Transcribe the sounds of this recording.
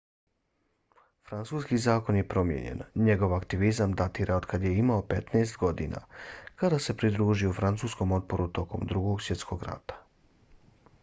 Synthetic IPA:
fɾant̪suːskizaːko̞nje̞pɾo̞mjḛɲḛnɲe̞ɡo̞ʋakt̪iʋizamd̪at̪iːɾʔaod̪kʰad̪je̞imaope̞t̪neːst̪ɡo̞d̪ḭnʔa̰kad̪ase̞pɾid̪ɾuːʒiufɾant̪suːsko̞mo̞t̪̚po̞ɾut̪o̞ko̞md̪ɾuɡo̞ɡsje̞t̪sko̞ɡɾa̰t̪ḁ

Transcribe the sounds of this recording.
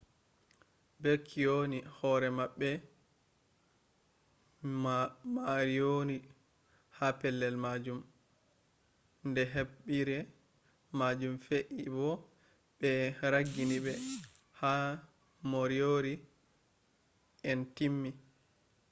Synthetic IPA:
bekʰːionihɔːɾɛmaɓːɛ | maɾijoni | hapɛlːɛlmad͡ʒum | ndɛɦeɓɓiɾɛ | mad͡ʒumfeʔibɔ | ɓɛɾaɡːiniɓɛ | ha | moɾijoɾi | ɛntimːi

